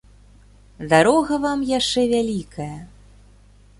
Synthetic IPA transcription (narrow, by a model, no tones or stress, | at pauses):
d̪aɾɔɣɐvamjaʂt͡ʂɛvʲalʲikʰɐjɐ